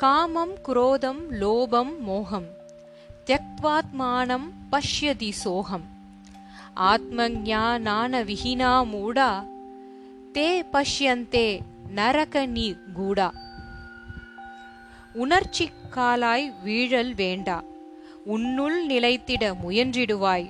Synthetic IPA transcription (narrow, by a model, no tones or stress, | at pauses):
kaːmɐmkɾoːd̪ɐmloːbɐmːoːɦɐm | t̪jɐk̚t̪ʋaːt̪maːnɐmpɐʂjɐd̪isoːɦɐm | aːt̪̚mɐɡɲaːnaːnɐʋɪɦinaːmuːɽaː | t̪eːpɐʂjɐnt̪eː | nɐɾɐkɐniɡuːɽaː | ʊnɐɾt͡ʃikːaːlaːjʋiːɻɐlʋeːɳɖa̰ː | ʊnːuɭnɪlɐɪt̪ːiɽɐmʊjɐndriɽɯʋaːj